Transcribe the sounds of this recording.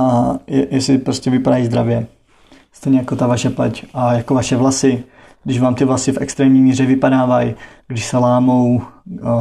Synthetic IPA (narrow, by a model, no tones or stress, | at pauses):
ajɛjɛsɪpɾoscɛvɪpadajzd̪ɾavjɛ | st̪ɛjɲɛjakot̪avaʃɛplɛcʔajakovaʃɛvlasɪ | ɡdɪʒvaːmt̪ɪvlasɪfɛ̰kst̪ɾɛːmɲiːmiːrɛvɪpadaːvaj | ɡdɪʃsɛlaːmow